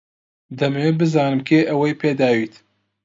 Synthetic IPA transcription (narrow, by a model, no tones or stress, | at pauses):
d̪ɐmewebɨzɑːnɨmkʰeːʔɐwejpʰeːd̪ɑːwiːt̪